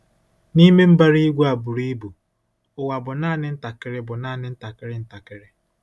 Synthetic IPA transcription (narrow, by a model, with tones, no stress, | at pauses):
ni˦me˦m̩˦ba˦ɾi˦ɡʷu˦a˨bʊ˨ɾi˦bu˨ | ʊ˨wa˨bʊ˨na˦nɪ˦n̩˦ta˨kɪ˦ɾɪ˦bʊ˨na˦nɪ˦n̩˦ta˨kɪ˦ɾɪ˦n̩˦ta˨kɪ˦ɾɪ˦